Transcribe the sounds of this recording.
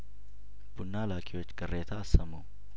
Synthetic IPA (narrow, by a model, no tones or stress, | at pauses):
b̥ʊnːaːlaːkʰʼɪwɔt͡ʃːkʼɐreːt̪ʰaːsːɐmɐw